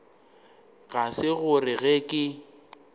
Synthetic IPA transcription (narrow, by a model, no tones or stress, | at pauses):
ɣasɪɣʊrɪɣɛkʼɪ